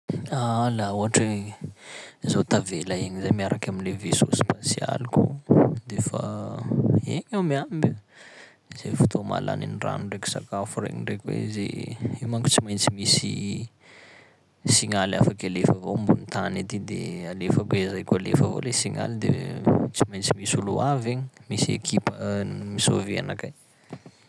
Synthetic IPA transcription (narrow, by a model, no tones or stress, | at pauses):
alauaʈ͡ʂe | zot̪avelaiɲizajmiaɾakʲaminlevesospasia̰likṵd̪efa̰ | eɲawmiambə | z̥efu̥t̪ʰoma̰lʔa̰nḭnira̰nuɳɖ͡ʐeku̥sa̰kafurḛɲiɳɖ͡ʐekʲwḛzḛimakʲu̥t͡simajnt͡simisi | siŋalafakalefavombunit̪anit̪id̪ealefakwezajkʲualefavo̰lesiŋa̰lid̪et͡simajnt͡simisuluaveɲimisiḛkʰipəmisovea̰nakaj